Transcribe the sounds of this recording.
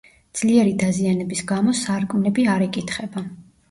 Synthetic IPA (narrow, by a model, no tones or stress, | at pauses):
d̪z̥liɛɾid̪azianɛbisɡamɔsaɾkʼmnɛbiaɾɛkʼit̪ʰχɛba